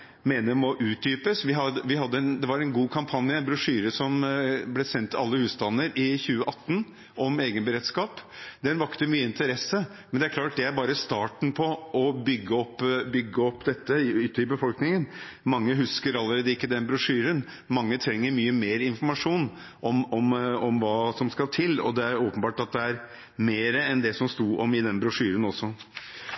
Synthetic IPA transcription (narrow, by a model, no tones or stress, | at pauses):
meːnəmɔʔʉːt̪̚d̪yːpəsʋɪɦɑʋɪɦɑd̪ːəɛnd̪ɛʋɑɾɛnɡuːkʰɑmpʰɑnjəɛnbɾʉʂyːɾəsɔmblɛsɛnt̪ɑlːəhʉːst̪ɑnːəɾɪçʉːəʔɑt̪ːn | ʔɔmeːɡənbəɾeːt̪skɑːpmd̪ɛnʋɑkt̪əmyːəɪnt̪əɾɛsːə | mɛnd̪ɛæɾkʰlɑːʈ̚d̪ɛæɾbɑːɾəst̪ɑːʈɳ̩pʰɔʔɔbʏɡːəɔpːbʏɡːəɔpːd̪ɛt̪ːəʏt̪ːəɪbəfɔlknɪŋənmɑŋːəɦʉskəɾɑlːəɾeːd̪əɪkːəd̪ɛnbɾʊʂyːɾən | mɑŋːət̪ʰɾɛŋːəɾmyːəmeːɾɪnfɔɾmɑʂuːn | ʔɔmɔmɔmʋɑːsɔmskɑlt̪ʰɪlːɔ̰d̪ɛæɾoːpənbɑːʈɑt̪̚d̪ɛæɾ | meːɾəɛnd̪ɛsɔmst̪uːʔɔmɪd̪ɛnbɾʊʂyːɾənɔsːɔ